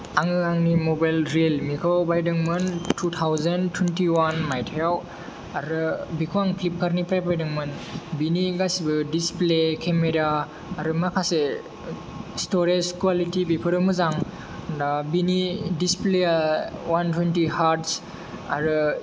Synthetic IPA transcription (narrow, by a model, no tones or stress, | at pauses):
aŋɯaŋnimobajlɾelmikʰawbajdɯŋmɯntʰut̪ʰawzɐntʰwentiwanmajtʰjaw | aɾɯbikʰuwaŋpʰlip̚kʰaɾnipɾajpajdɯŋmɯnbiniɡasibɯdisplekʰemeɾaː | ɾɯmakʰase | stoɾed͡ʒkwalitibipʰɯɾɯmɯzaŋ | ndabinidispleawantwentihaɾts | aɾɯ